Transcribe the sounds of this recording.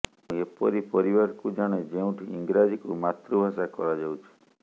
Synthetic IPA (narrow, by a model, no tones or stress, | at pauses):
mũepɔɾipɔɾibaɾkud͡ʒaɽ̃ed͡ʒeũʈʰiiŋɡɾad͡ʒikṵmat̪ɾubʱasakɔ̰ɾad͡ʒɔwt͡ʃʰu̥